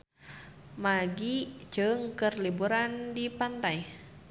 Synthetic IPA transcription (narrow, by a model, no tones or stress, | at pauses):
maɡid͡ʒɨŋkɨrlibuɾandipant̪aj